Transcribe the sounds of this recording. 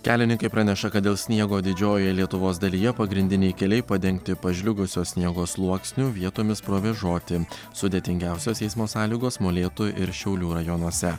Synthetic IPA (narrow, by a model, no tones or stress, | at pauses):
kʲæːlʲɪnʲɪ̃ŋkɐɪpɾɑnʲɛʃɐkɐt̪̚d̪ʲeːlˠsʲnʲiɛɡoːd̪ʲɪd͡ʒʲoːjɛlʲiɛt̪ʊʋoːsd̪ɐlʲiːjɛpɐɡɾʲɪnʲd̪ʲɪnʲɛɪkʲɛlʲɛɪpɐd̪ʲɛŋʲk̚t̪ʲɪpɐʒʲlʲʊɡʊsʲoːsʲnʲiɛɡoːslˠuɔksʲnʲuʋʲiɛt̪oːmʲɪspɾoːʋʲɛʒoːt̪ʲɪ | sʊd̪ʲeːt̪ʲɪŋʲɡʲæˑʊsʲoːsɛɪsmoːsɑːlʲiːɡoːsmoːlʲeːt̪oʔɪɾʃʲɛʊlʲuːɾɐjɔnuɔsʲɛ